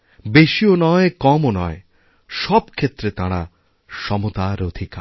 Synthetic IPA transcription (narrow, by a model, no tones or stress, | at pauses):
beʃionɔekɔmonɔe | ʃɔbkʰet̪ːɾet̪aɽ̃a | ʃɔmot̪aɾod̪ʱika